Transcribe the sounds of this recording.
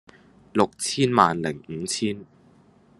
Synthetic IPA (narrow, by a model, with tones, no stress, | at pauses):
lʊ˨k̚t͡sʰiː˥nmaː˨˧nlɪ˨˩ŋ̩˨˦t͡sʰiː˥n